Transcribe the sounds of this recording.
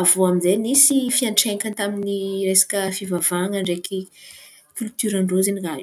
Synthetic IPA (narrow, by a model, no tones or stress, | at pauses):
avoaminzenisifianʈ͡ʂeɲkʲant̪aminiresḁkəfivavaŋəɳɖ͡ʐekʰi | kʲylt̪yɾaɳɖ͡ʐoziniɡa